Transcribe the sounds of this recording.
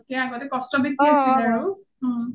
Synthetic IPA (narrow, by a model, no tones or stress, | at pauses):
keaɡɔt̪ekɔsʈɔbesiasidaɹu